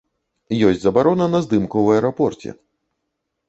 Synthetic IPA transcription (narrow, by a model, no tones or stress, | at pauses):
jɔsʲd͡zʲzɐbaɾɔnɐnɐzd̪ɨmkuwɐɛɾɔpɔrt͡sʲɛ̰